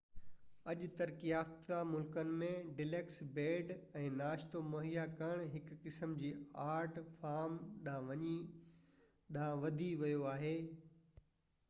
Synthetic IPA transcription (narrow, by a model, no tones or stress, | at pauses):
ɐʄt̪ɐɾkijaːft̪amʊlkənɪ̆mẽɖɪleːksbeːɖɛ̃ːnaːʃt̪omoːɦijakɐɽ̃ɦɪkːɪsəmd͡ʑiːaːɾʈfaːɾmɗãʋɐɲi | ɗãʋɐd̪ʱiʋɐjoaːɦeː